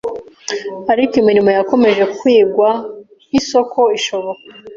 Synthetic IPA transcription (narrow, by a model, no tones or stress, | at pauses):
aɾikimiɾimo̞jako̞me̞ʒe̞kwiːɡwa | iso̞kʰo̞iʃo̞βoka